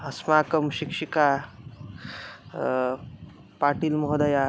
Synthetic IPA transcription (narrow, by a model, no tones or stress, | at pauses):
ɐsmaːkɐmʃikʃika | paːʈilmɔɦd̪ɐja